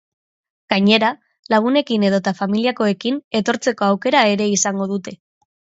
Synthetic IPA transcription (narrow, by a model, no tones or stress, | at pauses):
ɡ̥aɲe̞ɾa | laɣ̞une̞kine̞ð̞o̞t̪afamiliako̞ekine̞t̪o̞ɾt͡se̞ko̞awke̞ɾae̞ɾe̞isaŋɡo̞ð̞ut̪e̞